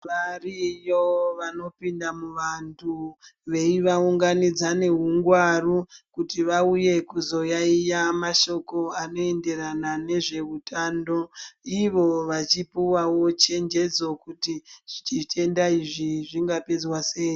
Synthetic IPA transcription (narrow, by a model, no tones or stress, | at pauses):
ʋarijoʋano̞pindamuʋantʰuʋe̞iʋauŋɡanid͡zane̞ɦuŋɡwarukutiʋauje̞kuzo̞jaijamaʃo̞ko̞ano̞e̞nde̞ranane̞ʐe̞utʰando̞iʋo̞ʋat͡ʃipuwawo̞t͡ʃe̞nd͡ʒe̞d͡zo̞kutiʐ̥it͡ʃite̞ndaiʐiʐiŋɡape̞d͡zwase̞ːji